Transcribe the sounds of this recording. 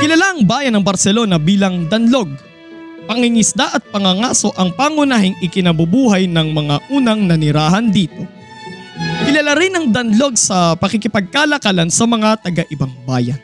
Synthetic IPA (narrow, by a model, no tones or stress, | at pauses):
kɪlɐlaʔɐŋbaːjɐnɐŋbɐɾsɛlo̞nɐbiːlɐŋd̪ɐnlo̞ɡ̚ | pɐŋɪŋɪsd̪aʔɐt̪̚pɐŋɐŋaːso̞ʔɐŋpaːŋʊnaːhɪŋɪkɪnɐbʊbuːɦɐjnɐŋmɐŋaʔuːnɐŋnɐnɪɾaːɦɐnd̪iːt̪o̞ | kɪlɐlaɾɪnɐŋd̪ɐnlo̞ɡ̚sɐpɐkɪkɪpɐɡ̚kaːlɐkaːlɐnsɐmɐŋat̪ɐɡɐʔɪbaŋbaːjɐn